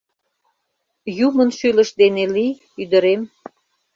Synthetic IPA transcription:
jumənʃylə̆ʃd̪eneli | yd̪ə̆ɾem

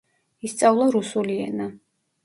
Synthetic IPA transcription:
ist̪sʼavlˠɔɾusuliɛ̰na

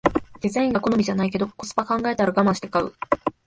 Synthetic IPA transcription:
d̪̥ʲizaĩŋɡako̞nomiʑanaike̞d̪okot͡sɨ̥pakãŋɡae̞t̪aɾaɡamãɕi̥t̪e̞kaɯ̟

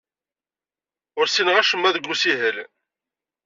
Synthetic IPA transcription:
ʊɾsinʁæʃəmːæðəɡʷːusiɦəl

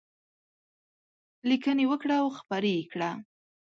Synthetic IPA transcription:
likənewəkɽawxpaɾekɽa

